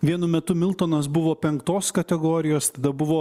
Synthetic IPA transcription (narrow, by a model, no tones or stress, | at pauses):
ʋʲiɛnʊmʲɛt̪ʊmʲɪlˠt̪oːnɐsbʊʋoːpʲɛŋkt̪oːskɐt̪ʲɛɡoːɾʲɪjoːst̪ɐd̪ɐbʊʋoː